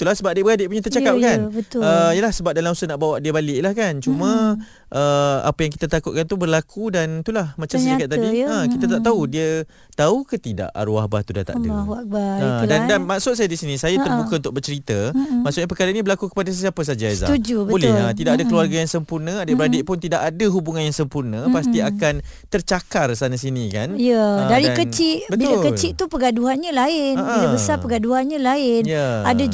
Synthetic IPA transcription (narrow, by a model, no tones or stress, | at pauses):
t̪ulahsəbap̚adɪʔbəɾadɪʔpuɲat̪ərt͡ʃakap̚kanbət̪əijəlahsəbap̚dalamusənaʔbawaʔdiəbalɪʔlahkant͡ʃumə̃ | ʔəa̰pəjaŋk̬it̪at̪akʊt̪̚kant̪ubərlakʰudant̪ulahmat͡ʃamsikat̪̚ːadiəkit̪at̪aʔt̪audiə | t̪aukət̪ida̰ʔa̰ɾuahba̰ht̪uda̰t̪a̰əaaəːdandanmaʔsʊt̪̚sajadisinisajat̪ərbukəunt̪ʊk̚bərt͡ʃəɾit̪əmaʔsʊʔ̚ɲapəkaɾaʔinibəlakukə̥padasəsiapəs̬ad͡ʒaza̰ud͡ʒubəbulɪlat̪idaʔadakəluarɡajaŋsəmpurnə̃adəəɾadɪʔpʊnt̪idaʔadəɦubuŋanjaŋsəmpurnə̃past̪iakan | t̪ərt͡ʃakarsanasinikanijadaɾikət͡ʃɪʔbətbiʊlakət͡ʃɪʔt̪upəɡaduɦanɲãlaɪnəbilabəsapəɡaduɦanɲãlaɪnjaada